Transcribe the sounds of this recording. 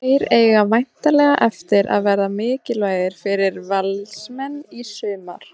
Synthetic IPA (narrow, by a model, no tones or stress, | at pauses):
ejɾeːjɣamajn̥t̪alɛɣaʔɛft̪ɪɾʔa̰ðvɛːɾamɪːcɪlvaːjðɪɾ̥fɪɾɪɾvɛlsmɛnːisʏːma̰ɾ̥